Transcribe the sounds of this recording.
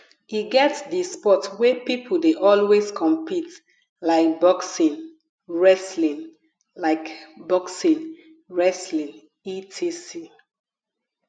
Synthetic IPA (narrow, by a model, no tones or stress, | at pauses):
iɡɛtdispɔtwɛpipʰəl̩deʔɔlweskʰɔ̃mpit | laɪk̚bɔksĩn | ɹɛslĩn | laɪkbɔksĩn | ɹɛslĩn | itʰisi